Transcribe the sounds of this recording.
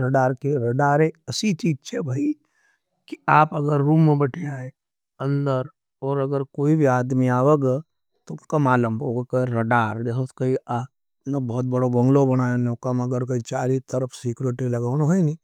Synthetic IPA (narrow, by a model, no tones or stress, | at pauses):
ɾɐɖaːɾkeɾɐɖaːɾẽɐsit͡ʃiːd͡ʒt͡ʃʰɛbʱaːi | kiaːpɐɡəɾːuːmːẽbɐʈʰaːe | ɐ̃nd̪əɾ | ɔːɾɐɡəɾkoːibʱiaːd̪miaːʋəɡe | t̪oskamaːlə̃mboɡekaɾɐɖaːɾdeɦkɐia | nbɔːt̪̚bɐɽobɐ̃ŋɡlobɐɽ̃aːjonoːkamɐɡəɾkoit͡ʃaːɾit̪əɾəfsiːkɾeʈilɐɡaːnoɦoeniː